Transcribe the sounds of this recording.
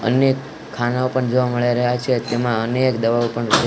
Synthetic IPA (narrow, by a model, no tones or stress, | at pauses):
ə̰nekʰː | anaopəɳd͡ʒoʋaməɭjaɾəɦjat͡ʃʰet̪emãənekd̪əʋaopəɳʃe